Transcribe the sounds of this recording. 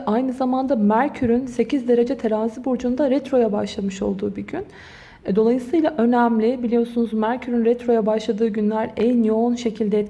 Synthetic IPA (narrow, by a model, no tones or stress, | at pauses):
ʔajnɯzamand̪amæɾcʰyɾynse̞cizd̪e̞ɾe̞d͡ʒɛt̪ʰeɾaːzibuɾd͡ʒund̪aɾɛt̪ɾo̞jabaʃlˠamɯʃo̞̰lˠd̪uːbiɟyn | ɛd̪o̞lˠajɯsɯjlˠaʔø̞næmlʲɪbilʲijo̞sunuzmæɾcʰyɾynɾɛt̪ɾo̞jabaʃlˠad̪ɯːɟynlʲæɾɛnjo̞unʃe̞cʰilʲd̪ɛɛt̪